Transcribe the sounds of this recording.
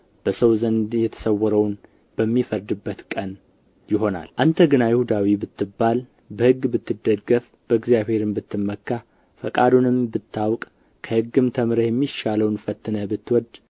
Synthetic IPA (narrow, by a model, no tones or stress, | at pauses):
b̥əsəwzənd̪jɛt̪ʰə̥səwːɔɾəwn | bəmːifəɾd̪ɨbːət̪kʼən | jɪɦo̞na̰lʔant̪ʰəɡɨnajɪhud̪awibɨt̪ːɨbːal | bəhɨɡːbɨt̪ːɨd̪ːəɡɡəf | b̥əɨɡzijaβhe̞ɾɨmbɨt̪ːɨmːəkʰːa | fəkʼad̪unɨmbɨt̪ʰːawkʼ | kʰəhɨɡːɨmt̪ʰəmɾəjɛmːiʃaləwnfət̪ːɨnəbɨt̪ːwɔd̪